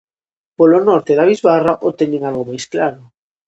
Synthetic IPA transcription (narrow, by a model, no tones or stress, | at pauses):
polonɔɾt̪eðaβizβaraʔot̪eɲẽŋalɣomajsklaɾo